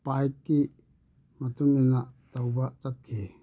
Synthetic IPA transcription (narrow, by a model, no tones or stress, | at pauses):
pajkːi | mɐt̪uŋinatawbat͡ʃat̪̚kʰe